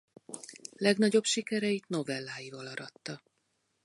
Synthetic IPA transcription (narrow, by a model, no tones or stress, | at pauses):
lɛɡnɒɟo̞bʃikɛɾɛit̪no̞vɛlːaːjivɒlɒɾɒt̪ːɒ